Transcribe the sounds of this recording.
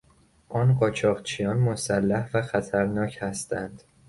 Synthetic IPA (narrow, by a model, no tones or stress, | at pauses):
ʔɒːnɢɒːt͡ʃʰɒːʁt͡ʃʰijɒːnmosælːæhvæxæt̪ʰæɾnɒːchæst̪ʰænd̪̥